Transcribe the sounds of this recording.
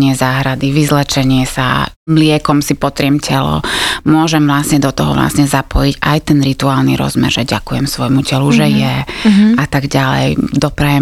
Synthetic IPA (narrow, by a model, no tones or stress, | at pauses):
ɲɪɛzaːɦɾad̪iʋizlɛt͡ʃɛɲɪɛsa̰ | mlɪɛkɔmsipɔt̪ɾɪɛmcʰɛlɔ̰mʊɔʒɛmvlasɲɛd̪ɔt̪ɔɦɔ̰ʋla̰sɲɛzapɔjiɟajt̪ɛnɾit̪uaːlniɾɔ̰zmɛ̰ɾʒɛɟakujɛmsʋɔjmucɛluʒɛjɛat̪aɡɟalɛ̰jd̪ɔpɾajɛ